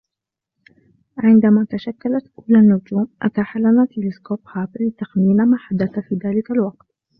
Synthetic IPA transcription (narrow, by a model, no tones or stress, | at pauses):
ʕɪnd̪amaːt̪aʃakːalat̪ʔuːlanːʊd͡ʒ̪uːmʔat̪aħalːanat̪ɪlɪskoːphaːblɪt̪axniːnamaːħad̪ːaθafiːðaːlɪkalwɑq̚t̪